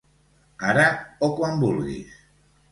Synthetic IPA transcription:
aɾaokwambulɣḭs

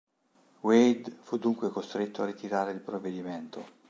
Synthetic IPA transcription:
wejd̪fud̪ːuŋkwekost̪ɾet̪ːoarːit̪iɾaːɾeilpɾovːed̪iment̪o

